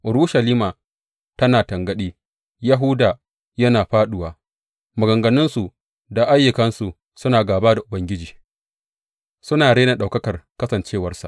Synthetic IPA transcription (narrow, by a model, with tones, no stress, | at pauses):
ʔʊ˨ɾuː˦ʃɐ˨liː˦maː˨ | tɐ˦naː˨tɐ˨ŋɡɐ˨˦ɗiː˦ | ja˦ɦʊ˦daː˨ | jɐ˦naː˨ɸaː˦ɗʊ˨waː˨ | mʊ˨ɡɐ˨ŋɡɐ˨nɪ˦nsu˨ | da˨ʔa˦jːʊ˨kɐ˦nsu˨ | sʊ˦naː˨ɡaː˨baː˦da˨ʔʊ˨bɐ˦ŋɡʲɪ˦d͡ʒiː˨ | sʊ˦naː˨ɽeː˦na˨ɗa˨kɐ˦kɐ˨rkɐ˦sɐ˨nt͡ʃeː˦˨wɐ˦rsa̰˨ʔ